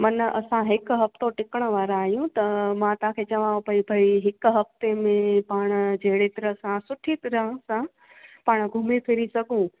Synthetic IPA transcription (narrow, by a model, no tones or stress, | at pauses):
mɐnʔɐ̰sãɦɪkɦɐft̪oʈɪkəɽ̃ə̆ʋaːɾaːɦijũt̪ɐmãt̪ãkʰeːt͡ɕɐʋãːõpɐibʱɐiɦɪkɦɐft̪emẽpaːɽ̃̆d͡ʑʱeɦɪɽet̪ɐɾəsãsʊʈʰit̪ɐɾəsã | paːɽ̃ɡʱʊmipʰɪɾisɐɡʱũ